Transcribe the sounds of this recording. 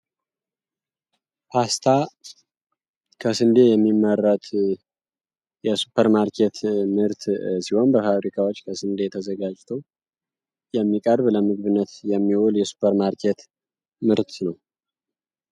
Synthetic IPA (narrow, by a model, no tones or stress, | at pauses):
pʰast̪ʰa | kʰəsɨnd̪ejɛmːimːəɾːət̪ | jɛsupʰːəɾmaɾkʰet̪mɨɾt̪siho̞nbəfafɾikʰawo̞t͡ʃːkʰəsɨnd̪e̞t̪ʰəzəɡad͡ʒt̪ʰəw | jɛmːikʼəɾβləmɨɡβɨnːət̪jɛmːiwoljɛsu̥pʰəɾmaɾkʰet̪ | mɨɾt̪ʰnəw